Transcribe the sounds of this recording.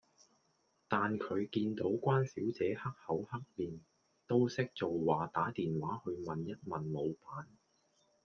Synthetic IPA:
t̪aː˨nkʰɵ˨˧ɥkiː˧nt̪o˨˥wkʷaː˥nsiː˨˥wt͡sɛː˨˧hɐ˥k̚hɐ˨˥whɐ˥k̚liː˨n | t̪o˥wsɪ˥k̚t͡so˨wwaː˨t̪aː˨˥t̪iː˨nwaː˨˥hɵ˧ɥmɐ˨njɐ˥t̚mɐ˨˩nlo˨˧wpaː˨˥n

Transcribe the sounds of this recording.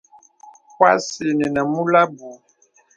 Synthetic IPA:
kwa˦si˨nɛ˨na˨mu˦la˦bu˨

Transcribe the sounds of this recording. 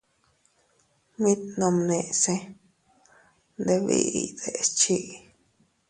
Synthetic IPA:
mĩ˦t̪nõ˧mnẽ˧˨ʔse˦ | nd̪e˧βḭ˧ḭ˧d̪e˧st͡ʃi˦ʔ

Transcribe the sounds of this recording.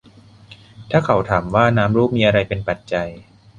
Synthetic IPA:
t̪ʰaː˥˩kʰa˩˦wt̪ʰaː˩˦mwaː˥˩naː˦˥mɾuː˥˩p̚miː˧ʔa˧ɾa˧jpe˧npa˨˩t̪̚t͡ɕa˧j

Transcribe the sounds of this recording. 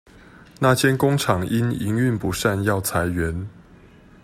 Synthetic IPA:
na˥˨t͡ɕʰjɛ˦nko˥˦ŋʈ͡ʂʰɑ˨˩ŋi˦nḭ˧˥ŋy˥˨npu˨˦ʂa˥˧njɑ˥˨˩ʊt͡sʰa˨˦ɪɥɛ˨˦n

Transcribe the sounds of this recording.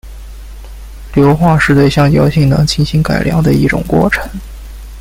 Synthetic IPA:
ljo˧˥ʊxwa˥˧ʂɻ̩˥˧t̪we˥˧ɪɕjɑ˥˩ŋjɑ˧˥ʊɕi˥˩ŋnɤ̰˧˥ŋt͡ɕʰi˥˩nɕi˧˥ŋka˨˩ɪljɑ̰˧˥ŋd̪ə˧i˥˩ʈ͡ʂʊ̰˨˩ŋkwɔ̰˥˩ʈ͡ʂʰɤ˧˥ŋ

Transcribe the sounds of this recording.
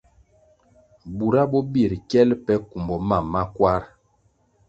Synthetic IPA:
bu˨ɾa˦bɔ˦bi˦˨ɾkɛ˦lpɛ˦ku˨mbɔ˨ma˨mːa˦kwa˦ɾ

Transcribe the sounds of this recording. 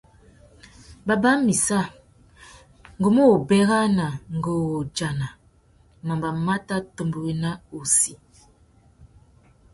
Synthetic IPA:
ba˨ba˦mi˨sa˦˨ | ŋ˨ɡo˨mo˦˨bɛ˦ɣa˦na˨ŋ̩˨ɡo˨wo˨d͡ʒa˨na˨ | ma˨mba˨ma˦ta˦tə˨mbə˨ɣe˦na˦o˨si˨

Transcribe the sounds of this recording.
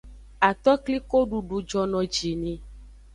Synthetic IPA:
a˨t̪ɔ˦kli˦ko˦ɖu˨ɖu˨d͡ʒɔ˦nɔ̃˨d͡ʒi˨nĩ˨

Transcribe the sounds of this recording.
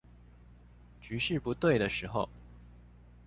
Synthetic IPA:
t͡ɕy˧˥ʂɻ̩˥˩pu˧˥t̪we˥˩ɪɾə˩ʂɻ̩˧˥xo˧˩ʊ

